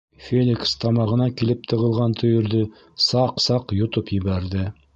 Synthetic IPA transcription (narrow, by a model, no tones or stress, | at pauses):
fʲelʲɪkst̪ɑmɑʁɤ̆nɑkilɘp̚t̪ʰɤ̆ʁɤ̆lˠʁɑnt̪ʰɵ̆jɵ̆ɾðɵ | sɑqsɑqjŏt̪ɤpjɘ̆βæɾðɘ